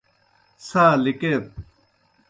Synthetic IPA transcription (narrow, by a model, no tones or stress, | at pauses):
saːliket̚